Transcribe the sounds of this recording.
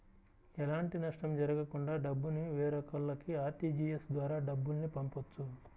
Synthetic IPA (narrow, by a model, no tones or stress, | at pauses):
ɛlaːɳʈinɐʂʈɐmd͡ʒɐɾɐɡɐkuɳɖaːɖɐbːuniʋɛːɾɐkɐlːɐkiaːɾʈiːd͡ʒiːjesd̪ʋaːɾaːɖɐbːulnipɐmpot͡ʃːu